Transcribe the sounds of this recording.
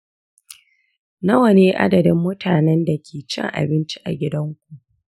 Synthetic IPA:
nɐ˦wɐ˨neː˦ʔa̰˦dɐ˨dɪ˦mːʊ˦tʰaː˨nɛ˦nda˨kʲʰeː˨t͡ʃɪ̰˦ŋʔa̰˨bɪ˦nt͡ʃi̥˦ʔa̰˨ɡʲɪ˦dɐ˦ŋkʷu˨ʔ

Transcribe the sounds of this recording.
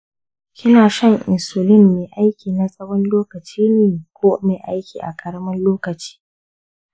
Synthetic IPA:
kʲʰɪ˦naː˨ʃɐ˦ŋʔɪ̰˨nsʊ˨lɪ˦mːeː˨ʔa˦jkʲʰiː˨na˨sʼɐ˦wɔ˦nloː˦kɐ˨t͡ʃiː˦neː˨kʷoː˦meː˨ʔa˦jkʲiː˨ʔa̰˨kʼɐ˦ɾɐ˦mɐ˦nloː˦kɐ˨t͡ʃi̥ː˦

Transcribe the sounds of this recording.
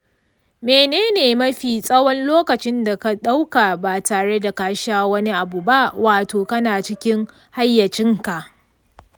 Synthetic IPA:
meː˨neː˦neː˨mɐ˦ɸiː˨sʼɐ˦wɔ˦nloː˦kɐ˨t͡ʃɪ˦nda˨ka˦ɗa˦wka˨baː˨taː˨ɽe˦da˨kaː˦ʃaː˦wɐ˦ni˦ʔa˨bu˨ba˦ʔwaː˨toː˨kɐ˦naː˨t͡ʃɪ˦kʲɪ˦ŋ | ha˦jːɐ˨t͡ʃɪ˦ŋka˨ʔ

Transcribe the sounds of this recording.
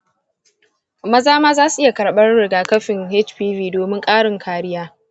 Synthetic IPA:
mɐ˦zaː˦maː˦zaː˦su˨ʔɪ˦ja˨kɐ˨ɽɓɐ˦rɽɪ˨ɡaː˨kɐ˦ɸɪ˨ŋhe˦t͡ʃɸiː˦viː˦doː˨mɪ˦ŋkʼaː˦ɽɪ˨ŋkʰaː˨ɾɪ˦jaː˦

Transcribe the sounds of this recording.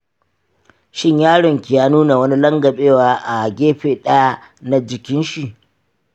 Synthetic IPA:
ʃɪ˦ɲjaː˦ɽʊ˨ŋkʲi˨jaː˦nuː˦na˨wɐ˦ni˦lɐ˦ŋɡɐ˨ɓeː˦waː˦ʔa˨ɡʲeː˦ɸeː˨ɗɐ˦ja˦ | na˦d͡ʒɪ˨kʲɪ˦nʃi˨ʔ

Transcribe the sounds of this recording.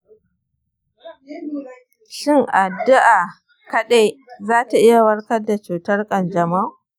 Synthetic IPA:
ʃɪ˦˨ŋʔa˨dːʊ˦ʔa˨ | kɐ˦ɗe˦jzaː˦ta˨ʔɪ˦ja˨wɐ˦ɽkɐ˦da˨t͡ʃuː˨tɐ˦rkʼɐ˨nd͡ʒɐ˨ma˦

